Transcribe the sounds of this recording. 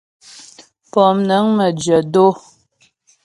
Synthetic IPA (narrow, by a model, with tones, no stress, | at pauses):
pɔ˨mnə˨˦ŋmə˨d͡ʒɥə˨do˦